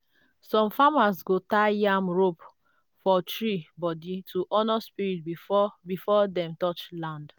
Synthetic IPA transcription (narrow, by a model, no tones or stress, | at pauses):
sɔ̃mfamasɡotajamɹop | fɔtɹibɔditʰuʔɔnɔspiɹit̚bibifɔdɛ̃mtɔt͡ʃlãnd